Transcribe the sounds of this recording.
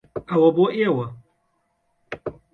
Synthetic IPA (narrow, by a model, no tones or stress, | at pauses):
awɐboʔɪawɐ